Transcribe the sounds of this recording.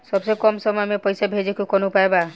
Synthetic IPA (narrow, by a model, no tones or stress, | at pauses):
sɔbsekɔmsɔmɔjmepɔjsabʱed͡ʒekukɔnupaeba